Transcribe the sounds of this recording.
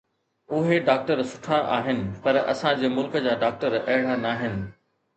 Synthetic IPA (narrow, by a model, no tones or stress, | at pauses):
ʊɦeɖaːk̚ʈəɾsʊ̥ʈʰãʔaːɦɪnɪ̆pɐɾɐ̰sãd͡ʑeːmʊlkə̆d͡ʑaːɖaːk̚ʈəɾɐɦɪɽ̤anaːɦɪnɪ̆